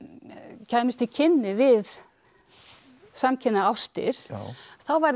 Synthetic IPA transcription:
cʰaːjmɪst̪ɪcʰɪnːɪvɪð | samcʰɪnːaawst̪ɪ̰ɾ̥θawvaɾ

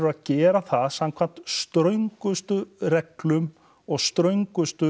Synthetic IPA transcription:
ʏaðcɛːɾaθaðsamkʰvan̥t̪st̪ɾœɥŋkʏst̪ʏɾɛklʏm | ɔɣst̪ɾœɥŋkʏst̪ʏ

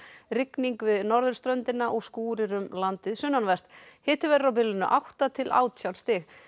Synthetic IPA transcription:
ɾɪkniŋkvɪðnɔɾðʏɾ̥st̪ɾœnt̪ɪnaʔɔɣskuːɾɪɾʏmlant̪ɪðsʏnːanvɛr̥t̪hɪːt̪ɪvɛːɾɾawp̬ɪlːʏnʏʔawht̪at̪ʰɪlʔa̰ːwt̪sjawlst̪ɪx

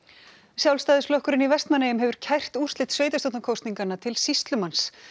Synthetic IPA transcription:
sjawlst̪aːðɪslɔhkʏɾɪnivɛst̪manːɪjʏmɦɛvʏɾ̥cʰajr̥t̪ur̥st̪lɪt̪sveːjt̪ast̪owt̪nakʰowst̪niŋkanːat̪ʰɪlsist̪lʏmans

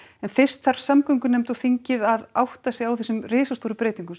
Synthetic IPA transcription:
ɛnfɪr̥st̪θaɾ̥samkœŋkʏnɛmt̪ɔwθiɲcɪðaða̰wht̪asjɪɣawθɛsʏmrɪːsast̪oːɾʏpɾeːjt̪iŋkʏm

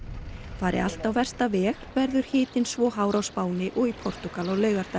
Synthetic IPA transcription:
faːɾɪ̰a̰l̥t̪awvɛr̥st̪avɛːxvɛɾðʏɾ̥hɪːt̪ɪnsvɔːɦaːwɾawspaːwnɪʔɔɣipʰɔr̥t̪ukalɔɣlœːɥɣaɾ̥t̪a

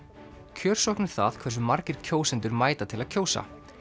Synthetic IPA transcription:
cʰœːɾ̥sɔhknɪɾ̥θa̰ðkʰvɛrs̬ʏmaɾcɪɾ̥cʰoːwsɪnt̪ʏɾmaːjt̪at̪ʰɪlaðcʰoːwsa̰

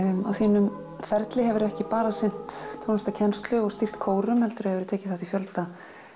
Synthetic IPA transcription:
awθiːnʏm | fɛɾt̪lɪɦɛvʏɾɛhcɪpaːɾasɪn̥t̪t̪ʰːownst̪acʰɛnst̪lʏɔɣst̪ir̥t̪kʰoːwɾʏmhɛlt̪ʏɾhɛvɪɾʏt̪ʰɛːcɪ̥θaht̪ifjœlt̪a

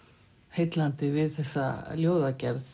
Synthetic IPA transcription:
hejt̪lant̪ɪvɪðθɛsːa̰ljoːwðacɛɾθ

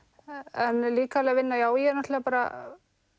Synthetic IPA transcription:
ɛnliːkalɛːɣavɪnːajaːwjɛnat̪ɛɣapaːɾa̰

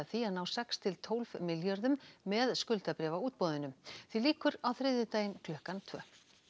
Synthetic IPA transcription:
aθianaːwsɛkst̪ʰɪlt̪ʰoːwlv̥mɪljœɾðʏmːɛðskʏlt̪apɾɛːvauːt̪̚pɔːðɪnʏmθiliːkʏɾawθɾɪðʏt̪aːjɪmkʰlœhkant̪ʰvœː

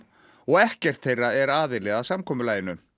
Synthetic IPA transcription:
ɔɣɛhcɛr̥t̪θejrːaɛɾaːðɪlɛɣaðsamkʰɔːmʏlaːjɪnʏ

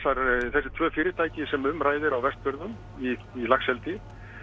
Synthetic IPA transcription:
saɾθɛsːɪ̥t̪ʰvœːfɪːɾɪt̪ʰaːjcɪsɛmʏmraːjðɪɾawvɛst̪̚pʏɾðʏm | i | ilaxsɛlt̪ɪ

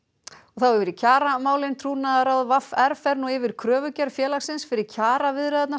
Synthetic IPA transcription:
ɔɣθawɛvɪɾɪcʰaːɾamaːwlɪnt̪ʰɾuːnaðaɾawðvafɛɾfɛɾnuɪvɪɾ̥kʰɾœːvʏcaɾ̥fjɛːlaxsɪnsfɪɾɪɾ̥cʰaːɾavɪðɾɛðɛt̪na

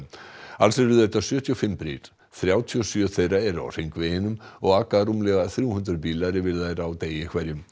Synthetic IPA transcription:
alsɛɾʏðejht̪asjœːt̪ʰiɔfɪmpɾḭːɾ̥ | θɾjaːwt̪ʰiɔsjœθejraɛɾa̰wr̥ejŋkvɪhɪnːʏmɔɣaːkaɾumlɛɣaθɾjuːhʏnd̪ɾʏpiːlaɾɪvɪɾðajɾaːwt̪eːjɪkʰvaɾjʏm

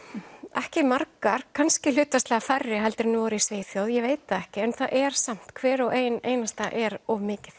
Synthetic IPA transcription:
ɛhcɪmaɾkaɾ̥kʰanscɪl̥ʏːt̪ast̪lɛɣafarːɪɦɛlt̪ɪɾnɪvɔɾʏisveːθjowðjɛveːjt̪aɛhcɪɛnθaʔɛɾ̥sam̥t̪kʰvɛːɾɔɣʔeːjneːjnast̪aʔɛɾɔvmɪːcɪθ

